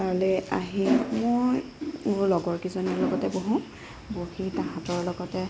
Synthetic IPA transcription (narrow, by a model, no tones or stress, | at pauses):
kaɹɔlɛaɦimojuɹlɔɡɔɹkizoniɹlɔɡɔtɛboɦũ | bohitaɦãtɔɹlɔɡɔtɛ